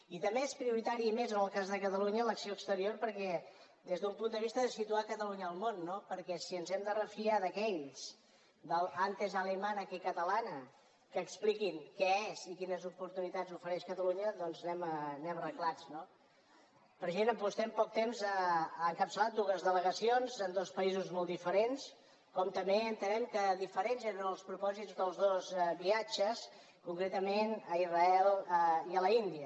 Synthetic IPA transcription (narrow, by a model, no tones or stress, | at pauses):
it̪əmbeespɾiuɾit̪aɾiəmezənəlˠkazðəkət̪əluɲələksioəkst̪əɾioɾpəɾkɛ | d̪ezðəumpund̪əβ̞ist̪əðəsit̪uakət̪əluɲəːlˠmonːopəɾkɛsiənzɛmd̪ərəfiaðəkɛʎs | d̪əlant̪ezalemanəkikət̪əlanə | kəːksplikinkɛezikinəzupuɾt̪unit̪ad͡zufəɾɛʃkət̪əluɲəðɔnznɛmənɛmərəɣlad͡zno | pəɾʒenəmpust̪ɛmpɔk̚t̪emzəaŋkəpsəlat̪̚d̪uɣəzðələɣəsionzənd̪ɔspəizuzmɔlˠd̪ifəɾens | kɔmt̪əmbeənt̪ənɛmkəðifəɾenzeɾnəlˠspɾupɔzit̪zd̪əlˠzðozβiad͡ʒəs | kuŋkɾet̪əmenəirəɛləiələind̪iə